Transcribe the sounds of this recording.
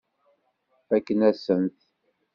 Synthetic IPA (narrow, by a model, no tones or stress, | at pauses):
ækːənæsənθ